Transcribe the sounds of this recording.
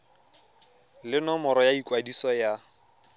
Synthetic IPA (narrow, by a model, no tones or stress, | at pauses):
lɪnɔmɔɾɔjaikʼwadisɔja